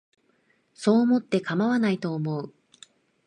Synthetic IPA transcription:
so̞ːmo̞t̪ːe̞kamaβanait̪o̞ːmo̞ɯ

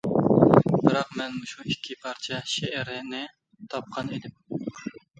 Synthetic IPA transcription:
bɨɾɑqmɛnmuʃuikʲʰːipʰɑɾt͡ʃʰɛʃeʔæɾɪnɪ | t̪ʰɑp̚qʰɑned̪ɪm

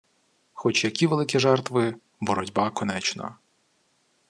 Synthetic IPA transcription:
xɔt͡ʃjɐkʲiʋelˠɪkʲiʒɛrt̪ʋɪ | bɔɾɔdʲbɑkɔnɛt͡ʃnɐ̰

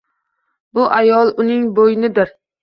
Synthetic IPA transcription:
bʊʔajɒlˠʊnɪŋbojnɪd̪ɪɾ

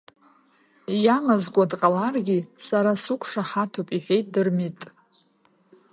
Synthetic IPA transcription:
jamazɡʷʼadqʼalarɡʲisaɾasukʷʰʼʂaχatʰopʼiħʷᶣejt̚ʼdɨrmitʼ

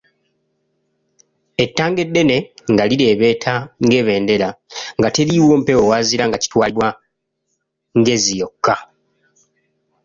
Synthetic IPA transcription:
e̞tːaːŋɡe̞dːe̞ne̞ŋɡaliɾe̞ːβe̞ːtʰaŋɡe̞ːβe̞ːnde̞laŋɡateliːwo̞ːm̩pe̞wowaːziɾaŋɡaci̥twaːliβwa | ŋɡe̞zijo̞kːa

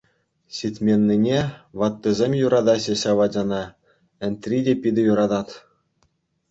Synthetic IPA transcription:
ɕitʲmʲenʲːinʲeʋɑt̪ːɤ̆zʲemʲjuɾɑd̪ɑɕĕɕɑʋɑd͡ʑʲɑnɑ | ɘ̆nt̪ʲrʲidʲepʲid̪ʲɘ̆juɾɑd̪ɑt̪

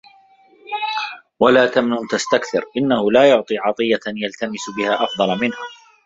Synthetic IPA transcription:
walaːt̪amnʊnt̪ast̪akθɪɾʔɪnːahʊlaːjʊʕt̪ˤiːʕɑt̪ˤɨjːajalt̪amɪsbɪhaːʔɑfd̪ˤɑlmɪnh

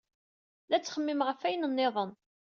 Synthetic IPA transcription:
læt͡sːχəmːɪmʁəfæjənənːɪðˤən

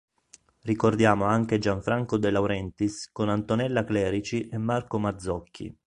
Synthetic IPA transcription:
rikord̪jaːmoaŋk̟ed͡ʒaɱfɾaŋkod̪elawɾɛnt̪iskonant̪onɛlːaklɛːɾit͡ʃiʔemːarkomad̪zːɔkʰːḭ

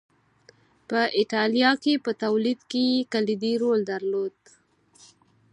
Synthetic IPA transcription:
pəʔɪʈɑlijɑkepət̪awlid̪kejekalid̪iɾold̪aɾlod̪

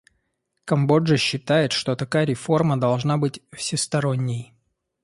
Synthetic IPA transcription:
kɐmbo̞ʐəɕːɪt̪ajɪt̪ʂt̪o̞t̪ɐkajəɾʲɪfo̞rməd̪ɐlˠʐnabɨtʲfsʲɪst̪ɐɾo̞nʲːɪj

